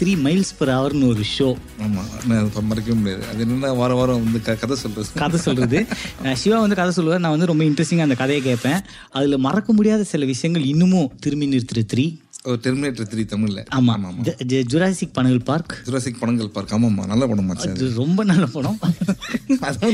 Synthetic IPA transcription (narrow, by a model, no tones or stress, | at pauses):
t̪ɪɾiːmɐɪlspɐɾaːʋɐɾɯnɯɔɾɯʂoː | aːma̰ːnaɐpɐmɐɾɐk̬ːɐʋeːmʊɽɪja̰ːðɯ̰ɐ̰ðenːɐnːaːʋaːɾɐʋaːɾɐ̃ʋɐnd̪ɯkkɐðɐsɔlːɾɐðɯkɐðɛsɔlɾɐðɯʂɪʋaːʋɐnd̪ɯkɐðɛsɔlːɯʋaːɾnãːʋɐnd̪ɯɾɔmbɐɪɳʈɾɛsʈɪŋaːnd̪ɐkɐðɐjeːkeːʈpːẽː | ɐðɪlɐmɐɾɐkːɐmʊɽɪjaːðɐsɪlɐʋɪʂɐjɐŋɡɐɭɪnːɯmʊ̃t̪ɪɾmɪnːɪɾʈ̪ːɾɐt̪ɪɾiː | ɔɯʈɛɾmɪneːʈɾɐt̪ɪɾit̪ɐmːɪɾlːɛ̰ʔaːmaːmaːmːd͡ʒʊɾaːsɪk̚pɐɳɐŋɡɐɭpaːɾkd͡ʒʊɾaːsɪk̚pɐɳɐŋɡɐɭpaːɾkaːmaːma̰ːnɐlːapɐɳʊ̃maːt͡ʃɐðɯɾɔmbɐnɐlːɐpɐɳʊ̃ | ɐð